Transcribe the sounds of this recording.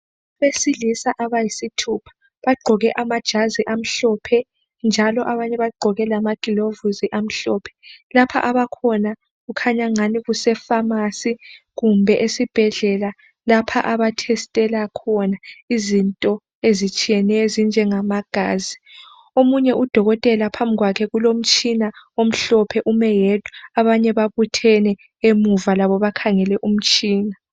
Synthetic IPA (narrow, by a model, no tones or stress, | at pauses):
βesilisaʔaβajisitʰupʰḁ | βaɡ͡ǃʱɔɣɛʔamad̥ʒ̥ʱaziʔam̩ɬɔpʰɛ | nd͡ʒʱalɔʔaβaɲɛβaɡ͡ǃʱɔɣɛlamaɡ̥ʼilovuziʔam̩ɬɔːpʰɛ̥lapʰa̰ʔaβakʰɔna | ɣukʰaɲaŋaniɣusɛfamasi | ɣumbʱɛʔesib̥ʱɛɮɛla | lapʰaʔaβatʰɛstʼɛlakʰɔnaizintʼɔ | ezit͡ʃʼijɛnɛjɔzind͡ʒʱɛŋamaɡ̥ʱa̰ːzi | omuɲɛʔud̥ʱɔɣɔtʼɛlapʰambʱiɣwakʰɛɣulom̩t͡ʃʼinaom̩ɬɔpʰɛʔumɛjed̥ʱʼuaβaɲɛβaβutʰɛnɛ | emuvalaβɔβakʰaŋɛlɛʔum̩t͡ʃʼiːna